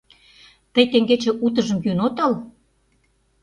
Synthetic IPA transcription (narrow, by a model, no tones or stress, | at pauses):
t̪əjt̪eŋɡet͡ɕĕʔut̪̬əʒə̆mjynot̪ɤl